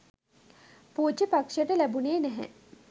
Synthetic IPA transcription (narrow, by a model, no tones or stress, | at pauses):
puːt͡ʃəpakʂəʈəlæbuneːnɛɦɛ̰